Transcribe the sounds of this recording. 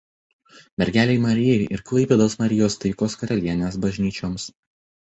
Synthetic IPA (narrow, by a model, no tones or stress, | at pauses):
mʲɛɾʲɡʲæːlʲeɪmɐɾʲɪjɛɪʔɪɾklˠɐɪpʲed̪oːsmɐɾʲɪjoːst̪ɐɪkoːskɐɾɐlʲiɛnʲeːsbɐʒʲnʲiːt͡ʃʲoːms